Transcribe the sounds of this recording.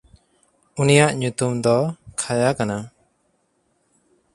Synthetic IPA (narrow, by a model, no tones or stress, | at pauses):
unijaʔɲut̪umd̪ɔkʰajakana